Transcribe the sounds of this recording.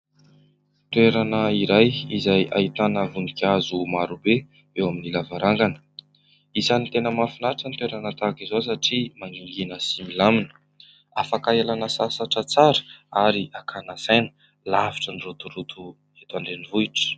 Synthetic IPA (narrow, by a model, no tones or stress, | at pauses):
t̪weɾanəiɾajizaja̰ɦit̪anəvunikʲazumaɾube | ewaminilavaɾaŋɡanə̥ | izanit̪enəmafinaʈ͡ʂənit̪weɾanət̪akizos̬aʈ͡ʂimaŋɡiŋɡinəsimilaminə̥ | afakaalanəsasaʈ͡ʂət͡saɾə̥aɾiakʰanasajnə | lavi̥ʈ͡ʂənirut̪urut̪ʰu | et̪aɳɖ͡ʐenivuiʈ͡ʂə̥